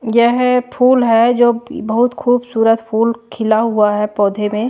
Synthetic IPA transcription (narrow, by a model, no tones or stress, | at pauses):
jɛɦpʰuːlɦɛd͡ʒoːbəɦʊt̪kʰuːbsuːɾət̪pʰuːlkʰɪlaɦuaɦɛpɔːd̪ʱemẽ